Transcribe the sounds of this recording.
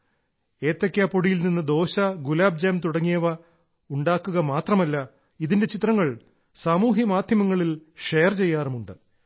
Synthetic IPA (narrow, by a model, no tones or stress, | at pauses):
e̞ːt̪ːɐkʲːaːpoɽijilninːɨd̪o̞ːɕɐɡulaːb̚d͡ʑaːmt̪uɽɐŋːijɐʋɐ | uɳɖaːkːuɣɐmaːt̪rɐmɐlːɐ | iðinde̞t͡ɕit̪rɐŋːɐɭ | saːmuːɦjɐmaːd̪ʱjɐmɐŋːɐɭilʂejɐrt͡ɕe̞jːaːrmuɳɖɨ